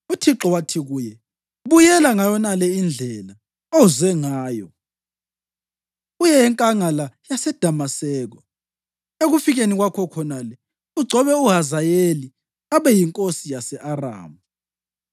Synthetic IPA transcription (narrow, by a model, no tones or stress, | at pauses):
utʰiǁɔwatʰiɣuːjɛ | βujɛlaŋajɔnalɛind͡ɮʱɛla | ozwɛŋaaːjɔ̰ | ujɛɛŋkʼaŋalajasɛd̥ʱamasɛːɣɔ | eɣufiɣeniɣwakʰɔkʰɔnalɛ | uɡ͡ǀʱɔβɛuɦazajeli | aβɛjiŋkʼosijasɛʔara̰ːmu